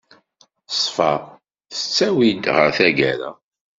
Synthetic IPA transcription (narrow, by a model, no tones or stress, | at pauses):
sˤfɑ | θət͡sːæwid̪ʁə̰ɾθæɡæɾæ̰